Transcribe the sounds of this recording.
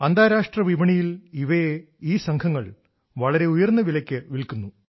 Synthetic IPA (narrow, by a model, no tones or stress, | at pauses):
ɐnd̪ʱaːɾaːʂʈrɐʋiʋɐɳijiliʋɐje | iːsɐŋkʰɐŋːɐɭ | ʋɐɭɐɾe̞ujɐrnːɐʋilɐkʲːɨʋilkunːu